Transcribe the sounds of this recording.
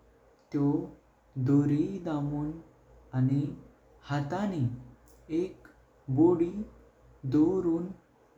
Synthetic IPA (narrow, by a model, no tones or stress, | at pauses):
t̪jɔ | d̪oɾid̪amuːn | ani | hat̪ani | ek | boɽiː | d̪oɾuːn